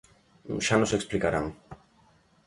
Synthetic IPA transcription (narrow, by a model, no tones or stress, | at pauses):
ʃanɔsɛkspʰlikʼaɾa̰m